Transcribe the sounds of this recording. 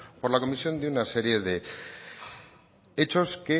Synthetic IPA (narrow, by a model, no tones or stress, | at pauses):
po̞ɾlako̞misio̞nd̪iunase̞ɾje̞ðe̞ | et͡ʃo̞ske̞